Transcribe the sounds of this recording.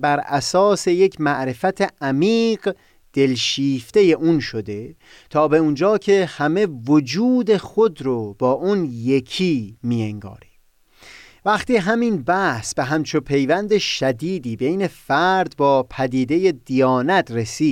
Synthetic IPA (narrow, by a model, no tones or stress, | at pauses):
bæɾæsɒːse̞je̞cʰmæʔɾe̞fæt̪ʰeʔæmiːɢ | d̪̥e̞lʃiːft̪e̞je̞ʔuːnʃo̞d̪e̞ | t̪ʰɒːbe̞und͡ʒɒːkʰe̞hæme̞vod͡ʒuːd̪e̞xo̞d̪ɾobɒːʔunje̞kʰiːmieŋɡɒ̰ːɾi | væχt̪iːɦæminbæhsbeɦæmt͡ʃʰopʰe̞jvænd̪eʃæd̪iːd̪iːbe̞jne̞fæɾd̪bɒːpʰæd̪iːd̪e̞je̞d̪ijɒːnæt̪ʰɾesi̥ː